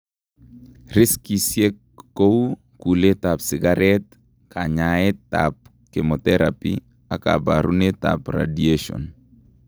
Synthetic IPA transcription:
rɪskisjekː | ou | kulet̪apsɪɡaɾɛt̪ | kʰaɲaet̪ap̚ | kemot̪ɛɾapḭ | aka̰baɾunet̪a̰pra̰dieʃɔ̰n

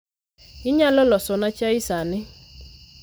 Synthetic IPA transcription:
ɪɲalɔlɔsɔnat͡ʃaisanɪ

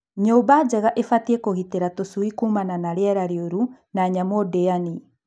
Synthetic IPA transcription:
ɲɔbad͡ʒɛɣaʔefatiɛkoɣiteɾatosuikuːmananaɾeɛɾaɾeoɾunaɲamɔdeani

